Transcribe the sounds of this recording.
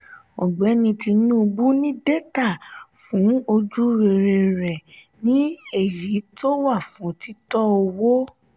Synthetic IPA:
ɔ˨ɡ͡bɛ˨˦nĩ˧ti˧nũ˦˧bu˦nĩ˦de˦ta˦˨fũ˨˦o˧d͡ʒu˦ɾe˧˨ɾe˧ɾɛ˨ | nĩ˦e˦˨ji˨˦to˦wa˦˨fũ˨˦ti˦tɔ˦o˧wo˦

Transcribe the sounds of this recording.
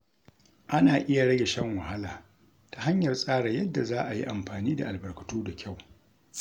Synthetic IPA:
ʔa˦naː˨ʔɪ˦ja˨ɽɐ˦ɡʲe˨ʃɛ˦ŋwa˨ha˦laː˨ | ta˨ɦa˦ɲjɐ˨rsʼaː˦ɽa˨jɐ˦dːa˨zaː˦ʔa˨jḭ˦ʔa˨mɸaː˨niː˦da̰˨ʔa˨lbɐ˨rkɐ̥˨toː˦da˨kʲʰa˦˨w

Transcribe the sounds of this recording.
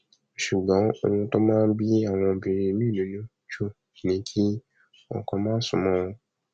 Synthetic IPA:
ʃu˨ɡ͡bɔ̃˨˦o̰˧wũ˧tɔ˦mãː˦n˦bi˦a˦˨w̃ɔ̃˧bi˨˧ɾi˧mĩ˦˨nũ˨˦nũ˦ | t͡ʃo˦˨ | nĩ˨˦kʰi˦ | ɔ̰̃˦˨kɔ̃˧mãː˦sũ˨˧mɔ̃˦˧ɔ̃˧

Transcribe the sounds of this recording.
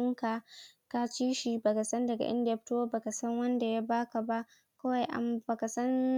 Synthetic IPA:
ŋka˨ka˦t͡ʃiː˦ʃi˨ba˨ka˨sɐ˦ndɐ˨ɡa̰˨ʔɪ̰˦ndɸto˦wa˦ba˨ka˨sɐ˦ŋwɐ˦nda˨ja˦baː˦ka˨ba˦ʔ | ka˦wa˨jʔa̰˨mba˨ka˨sɐ˦n

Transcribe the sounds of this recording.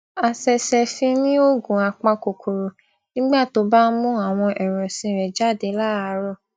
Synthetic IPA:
a˧sɛ˧sɛ˧fĩ˧nĩ˦o˦ɡũ˨a˧k͡pã˧ko˨kʰo˨ɾo˨ | nĩ˦ɡ͡ba˦˨to˧ba˦n̩˦mũ˦a˨w̃ɔ̃˧ʔɛ˨ɾ̃ɔ̃˨sĩ˧ɾɛ˨d͡ʒa˦˨de˧˦la˦a˧˦ɾɔ˦˨

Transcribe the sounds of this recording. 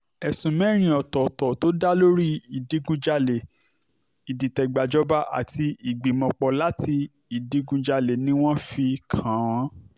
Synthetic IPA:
ɛ˨sũ˨mɛ̃˦ɾ̃ĩ˧ɔ˨tɔ˨tɔ˨to˦da˦lo˦ɾi˦i˨di˨˦ɡũ˧d͡ʒa˧le˨ | i˨di˨tɛ˨ɡ͡ba˨d͡ʒɔ˦ba˦ʔa̰˦˨ti˧i˨ɡ͡bi˨mɔ̃˧k͡pɔ˧la˦ti˧ | i˨di˨˦ɡũ˧d͡ʒa˧le˨nĩ˦w̃ɔ̃˦fi˧kʰã˨˦w̃ɔ̃˨˦

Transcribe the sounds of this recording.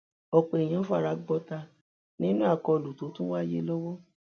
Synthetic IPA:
ɔ˧k͡pe˨e˨j̃ã˨˦fu˦a˦˨ɾa˨˧˦ɡ͡bɔ˧˦ta˧ | nĩ˦nũ˦a˦˨kɔ˧˨lu˨to˨˦tũ˦wa˦˨je˦lɔ˦wɔ˦

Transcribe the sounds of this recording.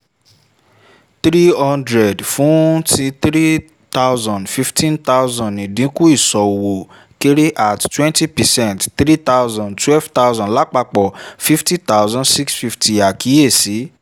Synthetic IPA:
t̪ɾi˦hɔ̃˦ndɾɛ˨dfũ˨˦ti˧t̪ɾi˦ | t̪a˦wzɔ̃˨ndfi˦ftʰĩ˦nt̪a˦wzɔ̃˨nĩ˨dĩ˨˦ku˦i˦˨sɔ˨wo˨ | ke˦ɾe˦ʔa˨ttwɛ̃˦nti˦pɛ˨sɛ̃˦˨ntt̪ɾi˦t̪a˦wzɔ̃˨ntwɛ˦lft̪a˦wzɔ̃˨nla˨˦k͡pa˧k͡pɔ˨fi˦fti˦t̪a˦wzã˦ndsi˦ksfi˧fti˨a˨ki˨˦e˦˨si˨˦

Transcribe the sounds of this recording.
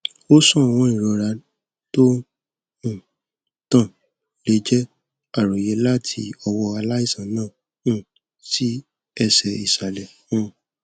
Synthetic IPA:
o˦sɔ̃˦˨w̃ɔ̃˧˦i˦˨ɾɔ˨ɾa˨˦ | to˦ | ũ˦˨ | tã˦˨ | le˨˦d͡ʒɛ˦ | a˦˨ɾo˨je˨˦la˦tʰḭ˧ɔ˧wɔ˧a˧la˦i˦˨sã˨nãː˦˨ | ũ˦˨ | si˦ | ɛ˧sɛ˨i˨sa˨lɛ˨ | w̃ɔ̃˨˦

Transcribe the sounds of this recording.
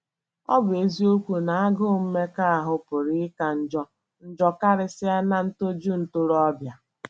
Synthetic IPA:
ɔ̰˦bʊ˨e˨zi˦o˦kʷu˨na˨a˦ɡʊ˦m̩˦me˦ka˦a˨ɦʊ˨pʊ˨ɾɪ˦ka˨n̩˦˨d͡ʒɔ˦ | n̩˦d͡ʒɔ˦ka˦ɾɪ˦sɪ˦a˦na˦n̩˦to˦d͡ʒu˦n̩˨tʊ˦ɾɔ˦bja˨

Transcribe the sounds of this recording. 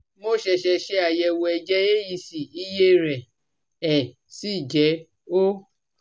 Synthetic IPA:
mo˦ʃɛ˧ʃɛ˧ʃɛ˧˦a˨jɛ˧wo˧ɛ˧d͡ʒɛ˦e˦ji˧si˨i˦je˦ɾɛ˨ | ɛ˨ | si˦˨d͡ʒɛ˨˦ | o˦

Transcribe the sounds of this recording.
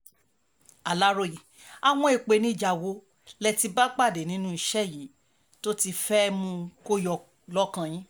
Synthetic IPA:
a˨la˦ɾo˧˨ji˨ | a˨w̃ɔ̃˧i˨k͡pe˨˧nĩ˦˨d͡ʒa˨wo˨˦ | lɛ˧ti˧ba˦k͡pa˦˨de˨nĩ˨˦nũ˦i˧ʃɛ˦˨ji˨˦ | to˦ti˧fɛ˦mũ˧ko˦jɔ˧ | lɔ˦kã˧j̃ĩ˦

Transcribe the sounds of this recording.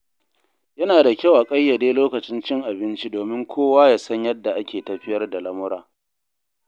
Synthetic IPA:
jɐ˦naː˨da˨kʲa˦˨wʔa˨kʼɐ˦jːɐ˨deː˦loː˦kɐ˨t͡ʃɪ˦nt͡ʃɪ˦ŋʔa˨bɪ˦nt͡ʃi˦doː˨mɪ˦ŋkʷʰoː˦waː˦jaː˦sɐ˦ɲjɐ˦dːa˨ʔa˦kʲʰeː˨tɐ˨ɸɪ˦jɐ˦rda˨lɐ˦mʊ˦ɾaː˨

